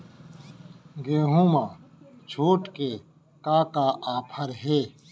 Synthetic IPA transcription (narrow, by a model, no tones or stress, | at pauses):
ɡeːɦũːmãː | t͡ʃʰoːʈkeː | kaːkaːʔaːpʰəɾɦeː